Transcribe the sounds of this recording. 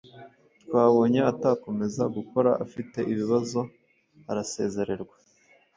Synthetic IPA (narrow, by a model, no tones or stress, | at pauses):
twaːβo̞ːɲeataːko̞me̞zaɡuko̞ɾaʔafite̞ʔiβiβazo̞ | aɾase̞̰ːze̞ɾe̞ɾɡwḁ